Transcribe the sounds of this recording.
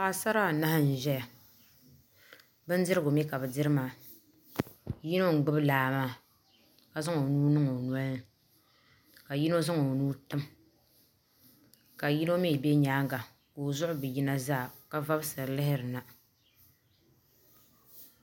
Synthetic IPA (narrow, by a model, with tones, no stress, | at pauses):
pa˨˦˨sa˦ɾa˦˨na˦ha˦n̩˨ʒɛ˦ja˨ | bɨ˦n˦dɨ˦ɾɨ˦ɡʊ˨mɛ˦ka˨bɨ˨dɨ˦ɾɨ˦ma˨ | ji˦no˦ŋ̩˨ɡ͡bɨ˦blaː˨maː˦˨ | ka˨zɨ˦ŋo˨nuː˦nɨ˦ŋo˨nu˨˦a˦nɨ˦ | ka˨ji˦no˦zɨ˦ŋo˨nuː˦tɨ˦m | ka˨ji˦no˦mi˦˨be˦ɲaː˦ŋɡa˨ | ko˨zʊ˦ʔʊ˦bɨ˨ji˦na˦zaː˦˨ka˦va˦bsɨ˨ɾlɪ˦ɦɪ˦ɾɨ˨na˨